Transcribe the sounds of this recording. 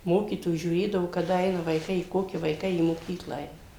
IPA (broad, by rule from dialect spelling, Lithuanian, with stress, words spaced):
ˈmoːkʲiːtoːjuː ʒʲuːˈrʲeːdɐʋoː kɐˈdɐ ˈɛɪnɐ ʋɐɪˈkɐɪ ɪ ˈkoːkʲɪ ʋɐɪˈkɐɪ iː moːˈkʲiːklˠɐ ˈɛɪnɐ